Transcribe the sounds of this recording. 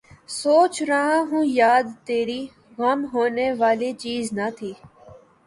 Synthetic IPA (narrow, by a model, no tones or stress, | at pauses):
soːt͡ʃɾəɦãːɦũːjaːd̪t̪eːɾiː | ɣɐmɦoːneːʋaːlet͡ʃiːznat̪ʰiː